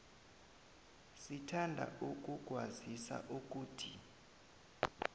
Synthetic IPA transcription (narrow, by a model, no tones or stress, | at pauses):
sitʰandʱa̰ʔuk̬ʼuk̬ʼwazisa̰ʔuk̬ʼuːtʰi